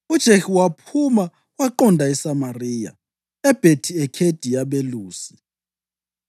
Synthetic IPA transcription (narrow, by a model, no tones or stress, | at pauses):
ud̥ʒ̥ʱeʃuwapʰuma | waǃɔndʱaɛsamariːja̰ | ɛb̥ʱetʰiɛkʰed̥ʱijaɓeluːsi̥